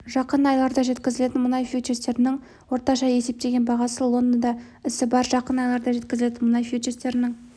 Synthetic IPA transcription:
ʒɑqənɑjlˠɑɾd̪ɑʒe̞t̪kʲɪzɪle̞t̪ɪnmʊnɑjfjut͡ʃest̪e̞ɾɪnɪŋ | wo̞ɾt̪ɑʃɑe̞se̞p̚t̪e̞ɡʲe̞nbɑʁɑsəlˠo̞nd̪əd̪ɑ | ɪsɪbɑɾʒɑqənɑjlˠɑɾd̪ɑʒe̞t̪kʲɪzɪle̞t̪ɪnmʊnɑjfjut͡ʃest̪e̞ɾɪnɪŋ

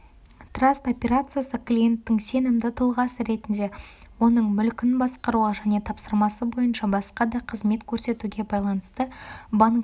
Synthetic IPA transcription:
t̪rast̪o̞pʲe̞ɾat̪sɨjasəklʲije̞nt̪ːɪŋse̞nɪmd̪ɪt̪ʰʊlˠʁɑsəɾe̞t̪ɪnd̪e̞ | wo̞nəɴmʏlkʲɪnbɑsqɑɾuʁɑʒæne̞t̪ʰɑpsəɾmɑsəbo̞jənʃɑbɑsqɑd̪ɑqʰəzme̞t̪kʲʰɵɾse̞t̪uɡʲe̞bɑjlˠɑnəst̪əbaŋk

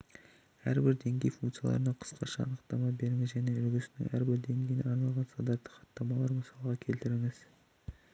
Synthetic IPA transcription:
æ̰ɾbɪɾd̪e̞ŋɡʲe̞jfuŋkt̪sɨja̰lˠɑ̰ɾənɑqʰə̥sqɑʃɑ̰ːnəqt̪ɑmɑbe̞ɾɪŋɪzʒæne̞ʏlɡʲɪsɪnɪ̰ŋæ̰ɾbɪɾd̪e̞ŋɡʲejɪnḛɑɾnɑlˠʁɑnst̪ɑnd̪ɑt̪ːə̥χɑ̥t̪ːɑmɑlˠɑɾməsɑlˠəʁɑkʲʰe̞lt̪ɪɾɪŋɪz̥

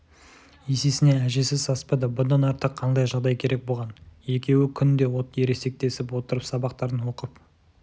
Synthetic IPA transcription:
je̞sesɪne̞æʒe̞sɪzsɑspɑd̪ɑbʊd̪ɑnɑɾt̪əqʰːɑnd̪ɑjʒɑʁd̪ɑjkʲʰe̞ɾʔe̞k̚bo̞lˠʁɑnje̞kʲe̞wɪkʲʰʏnd̪e̞wot̪je̞ɾe̞se̞k̚t̪e̞sɪpwo̞t̪əɾəpsɑbɑqt̪ɑɾənwo̞qəp

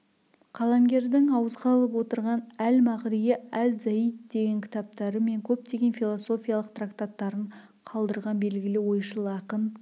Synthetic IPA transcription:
qʰɑlˠɑmɡʲe̞ɾd̪ɪŋɑwəzʁɑlˠəp̬wo̞t̪əɾʁɑnælmɑʁɾijeælzæjid̪̚d̪e̞ɡʲe̞ŋkʲʰɪ̥t̪ɑp̚t̪ɑɾəme̞ŋkʲʰɵp̚t̪e̞ɡʲe̞nfilˠoso̞fʲijalˠəqt̪rakt̪at̪ːɑɾəɴ | qʰɑlˠd̪əɾʁɑnbe̞lɡʲɪlɪwo̞jʃəlˠɑqən

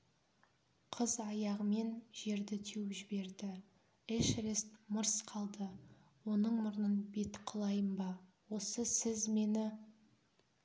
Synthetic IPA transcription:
qʰəzɑjɑʁəme̞nʒe̞ɾd̪ɪt̪ʰewʒɪbe̞ɾd̪ɪ | eʃɾest̪məɾsqʰɑlˠd̪ə | wo̞nəɴmʊɾnənbe̞t̪qʰəlˠɑjəmbɑ | wo̞səsɪzme̞nɪ

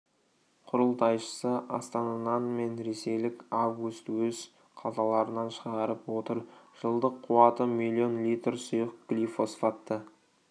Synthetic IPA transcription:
qʰʊɾəlˠt̪ɑjʃə̥səʔɑ̰st̪ɑnɑd̪ɑnme̞nɾe̞se̞jlɪkʲavɡust̪wɵz | qʰɑzɑlˠɑɾənɑnʃəʁɑɾəpwo̞t̪əɾʒ̥əlˠd̪əqʰːʊwɑt̪əmilʲˠio̞nlʲit̪rsʊjəq̚ɡ̥lʲifo̞sfɑt̪ːə

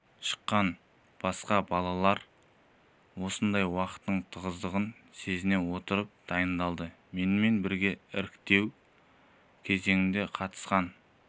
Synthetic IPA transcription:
ʃə̥qːɑn | b̥ɑsqɑbɑlˠɑlˠɑɾ | wo̞sənd̪ɑjwɑqə̥t̪ːəɴt̪ʰəʁəzd̪əʁənse̞zɪne̞wo̞t̪əɾəp̚d̪̥ɑjənd̪ɑlˠd̪ə | me̞nɪme̞nbɪɾɡʲe̞ɪɾɪkt̪e̞w | kʲʰe̞ze̞ŋɪmd̪e̞qʰɑt̪ə̥sqɑn

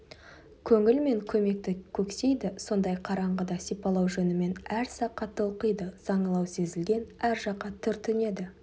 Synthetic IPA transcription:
kʲʰɵŋɪlme̞ŋkʲʰɵme̞k̚t̪ɪkʲʰɵkse̞jd̪ɪso̞nd̪ɑjqʰɑɾɑɴʁəd̪ɑsijpɑlˠɑwʒɵnɪme̞næɾsɑqːɑt̪ːəuqəjd̪əz̥ɑɴəlˠɑwse̞zɪlɡʲe̞næɾʒɑqːɑt̪ʰʏɾt̪ʰɪne̞d̪ɪ

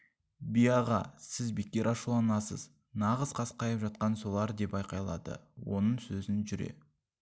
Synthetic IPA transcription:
bijɑʁɑ̰sɪzbekʲːe̞ɾʔɑʃulˠɑnɑsə̰z | nɑʁəz̥qʰɑsqʰɑjəpʒɑt̪̚qɑnso̞lˠɑɾd̪e̞pɑjqɑjlˠɑ̰d̪ə̰wo̞nəɴsɵzɪnʒʏɾe̞̰

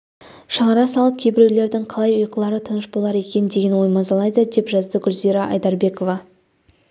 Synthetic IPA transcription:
ʃəʁɑɾɑsɑlˠəp̚kʲʰe̞bɪɾewle̞ɾd̪ɪŋqʰɑlˠɑjʊjqəlˠɑɾət̪ʰənəʃbo̞lˠɑɾe̞kʲe̞nd̪e̞ɡʲe̞nwo̞jmɑzɑlˠɑjd̪əd̪e̞pʒɑzd̪əɡʲʊɾzijɾɑʔɑjd̪ɑɾbe̞ko̞vɑ

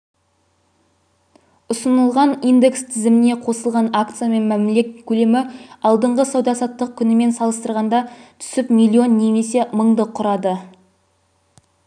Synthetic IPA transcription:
ʊsənəlˠʁɑnind̪e̞kst̪ʰɪzɪmɪne̞qʰo̞səlˠʁɑnakt̪sɨjame̞nmæmle̞kʲkʲʰːɵle̞mɪɑlˠd̪əɴʁəsɑwd̪ɑsɑt̪ːəq̚kʲʰʏnɪme̞nsɑlˠəst̪əɾʁɑnd̪ɑt̪ʰʏ̥sɪpmʲijlʲˠio̞nːe̞me̞se̞məɴd̪əqʰːʊɾɑd̪ə

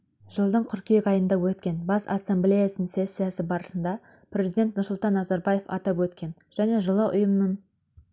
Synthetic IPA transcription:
ʒ̥əlˠd̪əɴqʲʰʏɾkʲijekɑjənd̪ɑwɵt̪kʲe̞nbɑsa̰sːemblʲe̞jasənəɴsesːijasɪbɑɾəsənd̪ɑ | prʲe̞zijd̪et̪nʊɾsʊlˠt̪ɑnːɑzɑɾbɑje̞fɑ̰t̪ɑpwɵt̪kʲe̞n | ʒ̥æne̞ʒəlˠəʔʊ̰jəmənəɴ

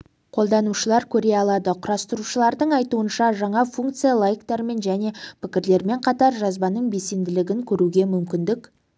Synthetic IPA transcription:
qʰo̞lˠd̪ɑnuʃəlˠɑɾkʲʰɵɾe̞jɑlˠɑd̪əqʰʊɾɑst̪əɾuʃəlˠɑɾd̪əɴɑjt̪uənʃɑʒɑɴɑfuŋkt̪sɨjalˠajkt̪ɑɾme̞nʒæne̞pʰɪkʲɪɾle̞ɾme̞ɴqʰɑt̪ɑɾʒɑzbɑnəɴbe̞se̞nd̪ɪlɪɡʲɪŋkʲʰɵɾuɡʲe̞mʏmkʲɪnd̪ɪk

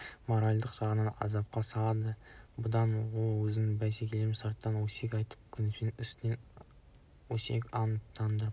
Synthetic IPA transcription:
moɾɑlʲd̪əqʒ̥ɑʁənɑnɑ̰zɑp̚qɑsɑɑd̪əbʊd̪ɑnwolˠwɵzɪnɪbæsekʲeleɾɪmsəɾt̪ːɑnwɵsekʲɑjt̪ʰə̥p̚kʲʰʏnɪsenɪŋɪst̪ɪnen | wɵsḛkʲɑnt̪ʰːɑnd̪əɾ

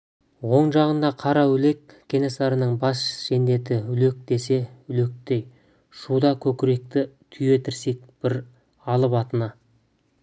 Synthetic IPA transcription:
wo̞ɴʒɑʁənd̪ɑqʰɑɾɑwʏle̞kʲʰːe̞nesɑɾənəɴbɑsʒend̪e̞t̪ɪʏle̞k̚d̪e̞se̞ʏle̞k̚t̪e̞j | ʃud̪ɑkʲʰɵkʲɪɾe̞k̚t̪ɪt̪ʲʰʏje̞t̪ʰɪɾse̞k̚b̥ɪɾ | ɑlˠəpɑt̪ənɑ

